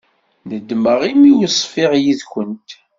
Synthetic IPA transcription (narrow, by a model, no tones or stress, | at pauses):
nəd̪ːməʁimijəsˤfɪʁjiðkʷənt̪